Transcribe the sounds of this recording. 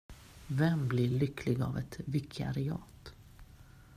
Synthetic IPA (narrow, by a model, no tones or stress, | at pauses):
vɛmblɪɭʏkʰlɪɡa̰vɛt̪vɪkʰa̰ɾɪɑ̰ːt̪